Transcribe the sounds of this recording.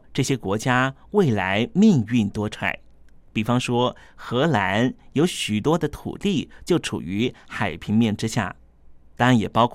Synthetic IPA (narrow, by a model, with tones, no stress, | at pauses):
ʈ͡ʂɤ˥˩ɕjɛ˥kwɔ˧˥t͡ɕja˥ | we˥˩ɪla˧˥ɪmi˥˧ŋy˥˩nt̪wɔ˥ʈ͡ʂʰwa̰˨˥˩ɪ | pi˨˩fɑ˥ŋʂwɔ˥ | xɤ˧˥la˧˥njo˧˥ʊɕy˨˩t̪wɔ˥d̪ə˨t̪ʰṵ˨˩t̪i˥˩t͡ɕjo˥˩ʊʈ͡ʂʰṵ˨˩y˧˥xa˨˩ɪpʰi˧˥ŋmjɛ˥˩nʈ͡ʂɻ̩˥ɕja̰˥˩ | t̪a˥˧˥njɛ˨˩pɑ˥ʊkʰ